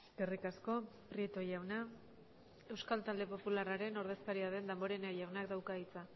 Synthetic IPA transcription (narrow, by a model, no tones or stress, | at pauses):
ɡerikasko̞pɾiet̪o̞jawna | e̞wskalt̪ald̪e̞po̞pularaɾe̞no̞ɾð̞e̞skaɾiaðe̞nd̪ambo̞ɾe̞najawnakd̪awkait͡sa